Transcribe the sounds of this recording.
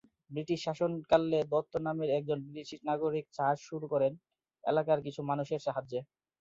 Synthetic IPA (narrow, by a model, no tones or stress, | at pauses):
bɾiʈiʃːaʃonkalːed̪ɔt̪ʰːonameɾɛk̚d͡ʑonbiʈiʃiʃnaɡoɾik̚t͡ɕad͡ʑʃuɾukɔɾen | ḛlakaɾk̬it͡ɕʰumanuʃeɾʃaɦad͡ʑe